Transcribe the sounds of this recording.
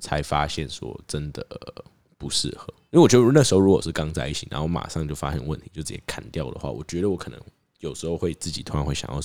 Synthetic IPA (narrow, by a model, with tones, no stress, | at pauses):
t͡sʰa˧˥ɪfa˥ɕjɛ˥˩nʂwɔ̰˦ʈ͡ʂə˦nd̪ə˨˩ | pu˧˦ʂɻ̩˥˩xɤ˧˦i˥e˥˩wɥɛ˧˥ə˧ə˧na˥˩ʂɻ̩˧xo˥˧u˥kwɔ˨˩ʂɻ̩˥˩kɑ˥ŋt͡sa˥˧ɪi˥˩t͡ɕʰi˨˩a̰˧˦nxo˥˩ʊma̰˨˩ʂɑ˥˧ŋt͡ɕjo˥˩ʊfa̰˦˥ɕjɛ˥nwə˥˩nt̪ʰi˧˦jo˥˩ʊt͡s̩˨˩ɛ˥˩kʰa˨˩nt̪jɑ˥˨ʊd̪ə̰˩xwa̰˥˩wɔ̰˨˩t͡ɕɥɛ˧˥d̪ə˨wɔ˧˦˥kʰɤ˨˩nə̰˧˦ŋ | jo˨˩ʊʂɻ̩˧˥xo˥˧ʊxwe˥˧ɪt͡sɹ̩˥˩t͡ɕi˨t̪ʰo˥ɻɑ˧˥xwe˥˩jɑ̰˨jɑ˥˩ʊ